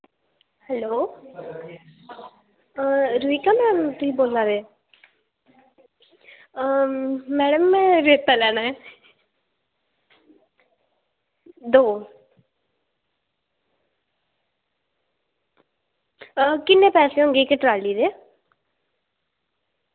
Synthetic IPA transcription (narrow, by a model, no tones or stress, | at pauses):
hɛloː | ɾuiːkaːmɛ̃ːt̪ʊsiːboːlaːʋeː | mɛːɽəmːɛ̃ːɾeːt̪ːaːlɛːɽ̃aːɛː | d̪oː | kɪnːẽːpɛːseːɦõŋɡeːkɪʈɾaːliːd̪eː